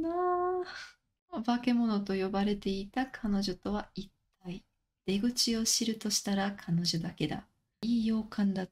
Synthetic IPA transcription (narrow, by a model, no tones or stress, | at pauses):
na | bake̞mo̞no̞t̪o̞jo̞baɾe̞t̪e̞it̪akʰano̞ʑo̞t̪o̞β̞ait̪ːai | d̪̥e̞ɡɯ̟t͡ɕio̞ɕiɾɯ̟t̪o̞ɕi̥t̪aɾakʰano̞ʑo̞d̪ake̞d̪a̰ | iːjo̞ːkʰãnd̪a